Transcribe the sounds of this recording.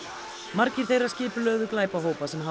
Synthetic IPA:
maɾcɪɾ̥θejrːascɪːpʏlœːɣðʏklaːjpawɦoːwpasɛmɦa

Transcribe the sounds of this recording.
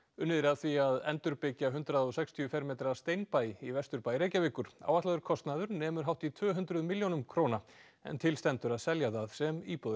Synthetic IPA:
ʏnːɪðɪɾaðθviaðɛ̰nt̪ʏɾpɪcːaɦʏnt̪ɾaðɔɣsɛkst̪ʰiʏfɛɾmeːjt̪ɾast̪ejnpaːjivɛst̪ʏɾpaːjɾejcavɪkʏɾ̥a̰waht̪laðʏɾkʰɔst̪naðʏɾnɛːmʏɾ̥ɦawht̪it̪ʰvœːɦʏnt̪ɾʏðmɪljownʏmkʰɾowna | ɛ̰nt̪ʰɪlst̪ɛnt̪ʏɾaðsɛljaθaðsɛmiːpɔð

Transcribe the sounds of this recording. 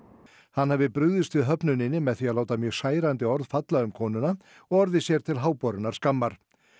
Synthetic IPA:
hanːhɛvɪpɾʏðʏst̪ʏðɦœpnʏnɪnːɪmɛðθiaðlaːwt̪amjœːɣsaːjɾant̪ɪɔɾðfat̪laʏmkʰɔːnʏna | ɔɣɔɾðɪsjɛɾ̥t̪ʰɪlɦaːwpɔɾʏnaɾ̥skamːaɾ̥

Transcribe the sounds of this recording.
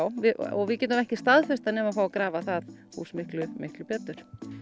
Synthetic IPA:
wvɪɔ̰vɪðcɛːt̪ʏmɛhcɪst̪aðfɛst̪anɛːmafaːwakɾaːvaθað | hṵːsmɪhklʏmɪhklʏpɛt̪ʏɾ̥

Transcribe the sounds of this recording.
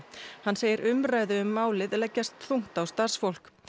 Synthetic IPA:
hanːseːjɪɾʏmraːjðʏʏmːaːwlɪðlɛcːast̪θuŋ̥t̪awst̪ar̥sfowl̥k

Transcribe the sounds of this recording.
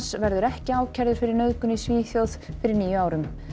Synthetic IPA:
svɛɾðʏɾɛhcɪaːwcʰɛɾðʏɾ̥fɪɾɪɾnœðkʏnisviːθjowðfɪɾɪɾniːjʏaːwɾʏm

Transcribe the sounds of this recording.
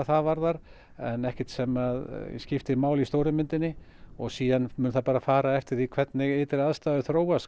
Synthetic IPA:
θaðvaɾðaɾ̥ | ɛ̰nɛhcɛ̥t̪sɛmaðjɛ̰scɪft̪ɪɾmaːwlist̪oːwɾʏmʏnt̪ɪnːɪ | ɔɣsiːðanmʏːnθapaːɾafaːɾaɛft̪ɪɾ̥θikʰvɛt̪nɪɣɪːt̪ɪɾaðst̪aːðʏθɾoːwas

